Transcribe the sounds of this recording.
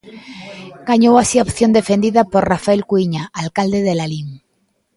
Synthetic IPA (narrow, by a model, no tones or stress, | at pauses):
ɡ̥aɲowasiaopθjo̞nd̪e̞fe̞nd̪iðapoɾrafaelkwiɲaʔalkald̪eðe̞laliŋ